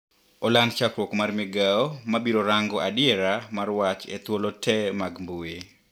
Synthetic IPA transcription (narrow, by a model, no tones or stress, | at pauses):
ɔlant͡ʃakɾwokmarmɪɡaɔmabiɾoɾaŋɡɔʔadɪjɛɾamarwat͡ʃḛt̪wolotʰɛmaɡmbue